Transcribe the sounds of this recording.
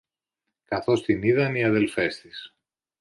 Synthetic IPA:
kɐθo̞st̪iniðɐniɐðe̞lfe̞st̪is

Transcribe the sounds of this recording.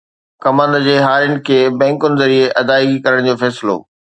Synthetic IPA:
kɐmə̃nd̪d͡ʑeːɦaːɾjʊnɪ̆kʰeːbɛ̃ːŋkʊnɪzɐɾieʔɐd̪aːiɡikɐɾəɽ̃d͡ʑoːfɛːsɪlo̰ː

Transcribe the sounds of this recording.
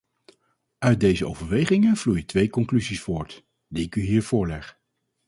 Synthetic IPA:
œɥt̚dejzəʔo̰wvəɹʋejχɪŋəv̥lujətʋejkɔŋklyzisfʊːɹt | diɪkyɦiːɹv̥ʊːɹlɛχ

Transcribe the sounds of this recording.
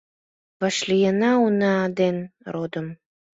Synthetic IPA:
βɑʃlijənɑunɑːd̪enrod̪ə̆m

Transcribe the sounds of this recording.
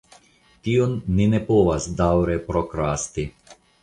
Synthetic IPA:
t̪iːonːinɛpoːʋazd̪awɾɛpɾɔkɾaːst̪i

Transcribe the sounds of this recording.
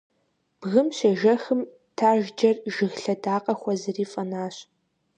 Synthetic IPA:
b̥ɣɨmɕɐʒɐxɨm | tʰaːʒd͡ʒɐrʒɪɣɬɐdaːqʼɐxʷɐzɨriːfʼɐnaːɕ

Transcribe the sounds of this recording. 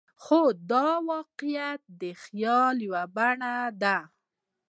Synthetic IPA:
xod̪ɑwɑqɪjat̪̚d̪əxjɑljwabaɳad̪a

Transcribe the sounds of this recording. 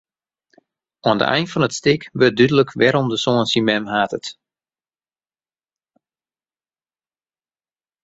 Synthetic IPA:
oəndə̰ʔɛ̰jntfɔnətstɪkʋədydələkʰʋɛɾɔmdəsoənsimɛmɦaːtət

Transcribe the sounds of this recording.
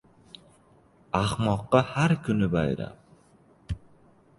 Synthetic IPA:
ɑχmoqːɑhaɾkynybɑ̰jɾɑ̰p̚

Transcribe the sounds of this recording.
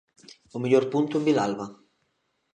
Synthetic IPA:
umiʎɔrpunt̪umvilalva

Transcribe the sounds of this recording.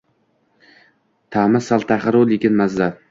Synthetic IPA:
t̪ʰamasalˠt̪ʰaχɪɾolekʲɪnmaza

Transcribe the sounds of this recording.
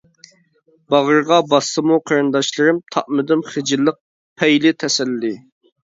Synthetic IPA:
bɑʁəɾʁɑbɑsːɨmuqʰəɾɨnd̪ɑʃlˠɨɾɨmt̪ʰɑ̰ʔmɨd̪ɪmχɪd͡ʒɪlˠːəq̚ | pʰɛjlɪt̪ʰɛsɛlːɪ

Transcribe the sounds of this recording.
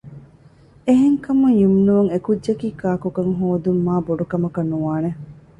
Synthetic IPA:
eɦeŋkɐmuŋjumnuuŋekudd͡ʒɐkiːkaːkukɐŋɦoːd̪umːaːboɖukɐmɐkɐnːuʋaːne

